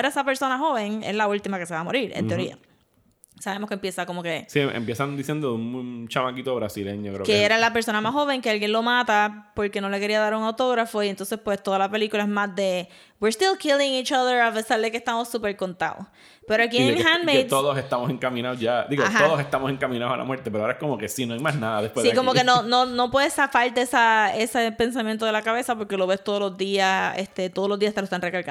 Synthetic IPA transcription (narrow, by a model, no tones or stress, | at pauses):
eɾaesape̞ɾso̞naɦo̞βe̞ŋḛslault̪imake̞se̞βamo̞ɾiɾḛnt̪eoɾia̰ | saβe̞moskempje̞sako̞mo̞kesiḛmpjesand̪isjend̪oðuŋt͡ʃamakit̪oβɾasileɲokɾekeeɾalape̞ɾso̞namasho̞βe̞ŋkealɡjenlo̞mat̪apo̞ɾke̞no̞le̞ke̞ɾiaðaɾuŋawt̪o̞ɣɾafo̞ient̪o̞nse̞spwe̞st̪o̞ðalape̞likulaezmazd̪e̞ | wiɾst̪ilˠkʰilɪ̃ŋit͡ʃʌðə˞ape̞saɾðekehst̪amosupe̞ɾko̞nt̪a̰o̰s | pe̞ɾoakieŋhanmejt̪oðoset̪amose̞ŋkamĩnaozʝad̪iɣotɦaoðose̞st̪amose̞ŋkamĩnaosalʔa̰mweɾt̪ep̬eɾoaoɾaeskomoke̞sinoajmasnaðaðepweðsikomokenonono̞pwesafalt̪eesaesepe̞ns̬amjent̪oðelakaβe̞sapo̞ɾke̞lo̞βe̞st̪o̞ðolo̞zd̪iasest̪e̞t̪oðlo̞zd̪iast̪aloest̪anrekalka